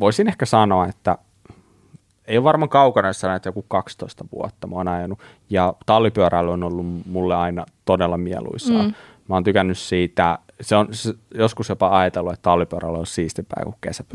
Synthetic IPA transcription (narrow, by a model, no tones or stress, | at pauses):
ʋoisinehkæsɑnoɑet̪ːæ̰ | eijoʋʋɑrmɑŋkɑukɑnɑsːɑnoet̪ːjokukkɑkst̪oist̪ɑʋṵɔt̪ːɑmoːnɑjɑnu | jɑt̪ɑlːipyøɾælːonolːummulːeɑinɑt̪odelːɑmiɛ̰lṵisɑ̰ː | mæoːnt̪ykænːyssiːt̪æ | seonsjoskusjopɑɑjɑt̪elːuet̪t̪ɑlːipyøɾælːolsiːst̪ipæ̰ḭkukkḛsæp